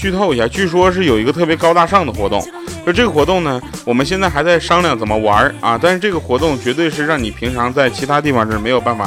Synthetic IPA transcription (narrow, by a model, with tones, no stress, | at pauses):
t͡ɕʰy˥˧t̪ʰo˥˩ʊi˧˥ɕja˥˩t͡ɕʰy˥˩ʂwɔ˥ʂ̬ɻ̩˥˩jo˨˩i˧˥ɡə˧t̪ʰɤ˥˩pjɛ˧˥kɑ˥ʊt̪a˥˧ʂɑ˥˩ŋd̪ə˩xwɔ˧˥t̪ʊ̰˥˩ŋ | sɔ˧˥˧ʈ͡ʂɤ˥˩ɡə˩xwɔ˧˥t̪ʊ˥˩ŋnə˩wɔ˨˩mə˦nɕjnt͡sa˥˩ɪxa˧˥ɪt͡sa˥˩ɪʂɑ˥ŋljɑ˥˩ŋt͡sə˨˩nmə˦wa˧˥ɐ˧t̪a˥˧nʂɻ̩˥˧ʈ͡ʂɤ˥˩ɡə˩xwɔ˧˥t̪ʊ˥˩ŋt͡ɕɥɛ˧˥t̪we˥˧ɪʂɻ̩˥˧ɻɑ˥˩ŋni˨˩pʰi˧˥ŋʈ͡ʂʰɑ˧˥ŋt͡sa˥˩ɪt͡ɕʰi˧˥t̪ʰa˥t̪̬i˥˧fɑ˥˧ŋʂɻ̩˥˩me˧˥ɪjo˨˩ʊpa˥˩nfa̰˨˩